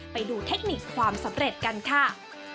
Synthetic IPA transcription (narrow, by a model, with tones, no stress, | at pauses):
pa˧jduː˧t̪ʰe˦˥k̚ni˨˩kʰwaː˧msa˩˦mɾe˨˩t̪̚ka˧nkʰa˥˩